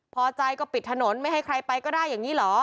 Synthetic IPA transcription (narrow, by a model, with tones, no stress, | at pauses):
pʰɔː˧t͡ɕa˧jkɔː˥˩pi˨˩t̪ʰːa˧no˩˦nma˥˩jɦa˥˩jkʰɾa˧jpa˧jkɔː˥˩daː˥˩jːaː˨˩ŋiː˦˥lɔː˩˦